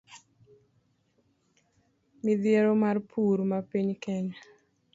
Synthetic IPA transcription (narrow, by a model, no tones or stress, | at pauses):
mid̪jeɾomarpʰuɾmapiɲkɛɲa